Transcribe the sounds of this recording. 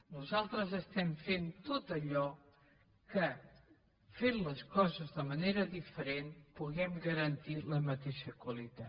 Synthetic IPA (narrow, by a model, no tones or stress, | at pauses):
nuzalˠt̪ɾəzəst̪ɛmfent̪ot̪əʎɔ | kə | fenləskɔzəzðəməneɾəðifəɾenpuɣɛmɡəɾənt̪iləmət̪eʃəkwəlit̪a